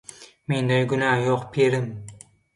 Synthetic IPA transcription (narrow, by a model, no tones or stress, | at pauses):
me̞nd̪ajɡʊnajɒqpʰeɾɪm